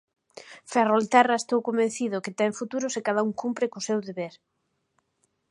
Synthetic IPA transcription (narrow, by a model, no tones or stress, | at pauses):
ferolt̪ɛraest̪owkombẽn̟θiðʊkɪt̪ɛeɱfut̪uɾʊsɪkaðauŋkumpɾɪkʊsewðeβeɾ